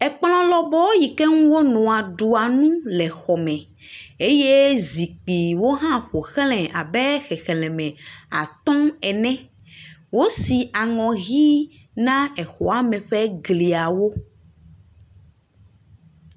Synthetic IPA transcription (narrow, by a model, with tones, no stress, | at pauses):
ɛ˨k͡pl̃ɔ̃˦lɔ˦bɔ˦ji˨kɛ˦ŋũ˦wo˦nɔ̃˨a˨ɖu˨a˨nũ˦lɛ˨xɔ˨mɛ̃˨ | e˦je˦zi˨k͡pi˨wo˦ɦã˦ɸo˨xlɛ̃˨ʔa˨bɛ˦xɛ˨xɛ˨lɛ̃˨mɛ̃˨a̰˨t̪ɔ̃˦ɛ˨nɛ̃˦ | wo˦si˨ʔa˨ŋɔ̃˨ɣi˦ | nã˦ɛ˨xɔ˨a˨mɛ̃˨ɸɛ˦ɡli˨a˨wo˦